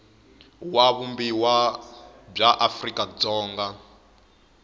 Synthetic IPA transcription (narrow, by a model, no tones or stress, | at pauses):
waβumbiwa | b͡ʐaʔafrikʼad͡zɔːŋɡa